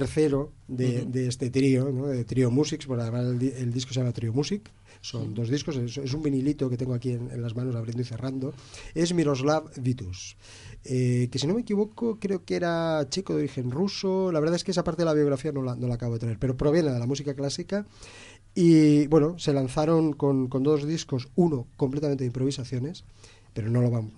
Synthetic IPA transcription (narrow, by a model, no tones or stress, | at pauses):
eɾθeɾoðed̪eest̪e̞t̪ɾionoðet̪ɾiomusikspokaðemaselield̪iskosejamat̪ɾiomusik | so̞nd̪o̞zðiskosesesumbinilit̪oket̪eŋɡoakienḛnlazmãnoaβɾend̪oiθe̞rand̪oe̞zmiɾo̞zlaββit̪us | eke̞sino̞mekiβ̞o̞kokɾe̞okeɾat͡ʃikoðoɾixe̞nrusolaβɾðaes̬kees̬apaɾt̪eðelaβjo̞ɣ̞ɾafianolano̞lakaβoðet̪ɾaeɾpe̞ɾopɾoβ̞je̞neaðelamusikaklasika | ibweno̞se̞lanθaɾo̞ŋko̞nko̞nd̪o̞zðisko̞suno̞ko̞mplet̪ament̪eimpɾo̞β̞isaθjo̞ne̞s | pe̞ɾono̞loβamo